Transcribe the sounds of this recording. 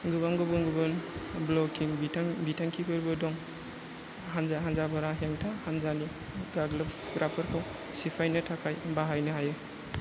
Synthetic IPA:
ɡubaŋɡɯbɯŋɡɯbɯnblɔkiŋbibitʰaŋkʰikʰɯɾbɯdɔŋ | ɦanzaɦanzabaɾaɦeŋtʰahanzani | ɡaɡlapɡɾʔapʰɯɾkʰaw | sipʰajnɯtʰakʰajbaɦajnɯɦajɯ

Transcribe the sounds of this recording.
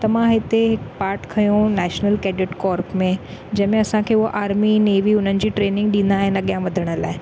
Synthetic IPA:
t̪ɐʋãɦɪt̪eɦɪkpaːɾʈkʰɐjõnɛːʃnəlkeːɖɪʈkɔːɾpmẽd͡ʑɐ̃ɦɪ̃mẽɐsãkʰeːʊɦoʔaːɾmineːʋiʊn̤ənɪ̆d͡ʑiːʈɾeːnɪ̃ŋɡ̚ɗĩːnd̪aːɦɪnɐɠijãʋɐd̪ʱəɽ̃əla̰ːɦɪ

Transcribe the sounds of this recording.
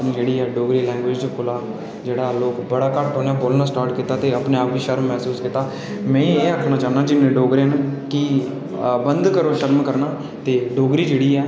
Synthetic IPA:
nĩːd͡ʒeːɽiːɛːɖoːɡɾiːlɛ̃ːŋɡʋɪːd͡ʒt͡ʃkʰʊlaː | d͡ʒeːɽaːloːkbəɽaːkəʈoːnaːboːlnaːsʈaːɾʈkiːt̪aːt̪eːəpnẽːaːpʋiːʃəɾmːɛːsuːskiːt̪ːaː | mɛ̃ːĩːeːəkʰnaːt͡ʃaːnaːd͡ʒɪnːẽːɖoːɡɾeːnkɪ | bənd̪kəɾoːʃəɾmkəɾnaː | t̪eːɖoːɡɾiːd͡ʒeːɽiːɛː

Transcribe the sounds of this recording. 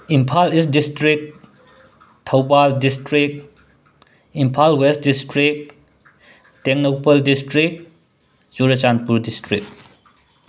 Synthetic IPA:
impʰalist̚distɾik̚t | tʰɐwbaldistɾik̚t | impʰalwest̚distɾik̚ | teŋnopɐldistɾik̚ | t͡ʃuɾɐt͡ʃanpuɾdistɾik̚

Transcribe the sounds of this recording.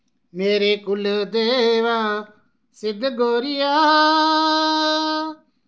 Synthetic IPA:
meːɾeːkʊld̪eːʋaː | sɪd̪ɡoːɾɪjaː

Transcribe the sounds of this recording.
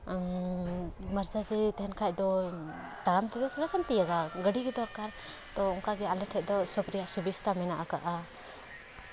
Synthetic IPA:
maɾd͡ʒad͡ʒɛt̪ɛɦɛnkʰac̚ˀd̪ɔt̪aɽamt̪ɛd̪ɔt̪ʰuɽasamt̪ijaɡaɡəɖiɡɛd̪ɔɾkaɾt̪ɔɔŋkaɡɛalɛʈʰɛc̚d̪ɔsɔpɾijaʔsubist̪amɛnaʔakaʔa

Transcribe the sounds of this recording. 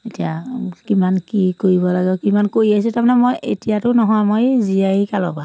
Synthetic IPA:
etijakimankikoɹiβɔlaɡɛkimankoɹias̬ɛtamnɛmojetijatʊnɔɦɔmojziaikalɔ̰ba

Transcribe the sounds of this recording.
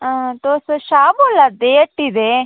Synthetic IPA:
ət̪osʃaːboːlad̪eəʈːid̪e

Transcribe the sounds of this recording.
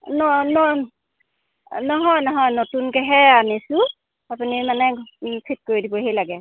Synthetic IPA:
nɔnɔ | nɔɦɔjnɔɦɔjnotunkɛɦɛanisʊ | apunimanɛpʰit̚koɹidibɔɦejlaɡɛ

